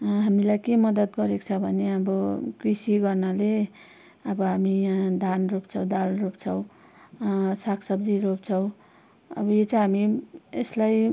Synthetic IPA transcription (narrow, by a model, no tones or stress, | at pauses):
ɦamilajkemʌd̪ʌt̪ɡʌɾekt͡sʰʌbʱʌneʌbʌkrisiɡʌrnʌle | ʌbʌɦamijãd̪anropt͡sʰʌw̃d̪alropt͡sʰʌw̃ | sakʰsʌbd͡ziɾop̚t͡sʰʌw̃ | ʌ̰bʌjet͡sʰʌɦamieslaj